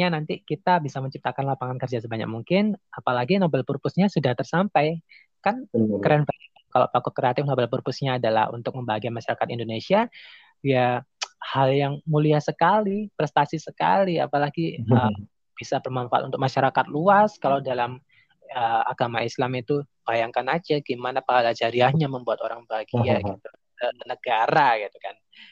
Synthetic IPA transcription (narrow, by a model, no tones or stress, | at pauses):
ɲanant̪ikit̪abisaməɲt͡ʃip̚t̪akanlapaŋankərd͡ʒasəbaɲa̰k̚muŋkɪnapalaɡinobɛlpurpʊsɲasudaht̪ərsampaj | kankəɾeanba | kalo̰wpakʊt̪̚kəɾeat̪ɪfnobɛlpurpʊsɲaːdala̰hṵnt̪ʊk̚məmbaɦaɡiamaʃaɾakat̪indonesia | jahaljaŋmuliahsəkalipɾɛst̪asisəka̰lia̰palaɡiə | b̥isabərmanfat̪unt̪ʊk̚maʃaɾakat̪̚luaskalawdalam | əa̰ɡ̥amaislamit̪u | b̥ajaŋkanad͡ʒaɡ̥imanapahalad͡ʒaɾiahɲaməmbuat̪oɾaŋbaɡiaɡit̪u | kənənəɡaɾaɡit̪ukan